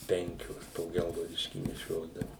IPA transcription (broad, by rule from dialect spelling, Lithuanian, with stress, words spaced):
ˈpʲɛŋʲkʲoːs poː ˈɡʲɛlˠɡɐʊdʲɪʃʲkʲiː nʲɛˈʃʲoːdɐʋʊ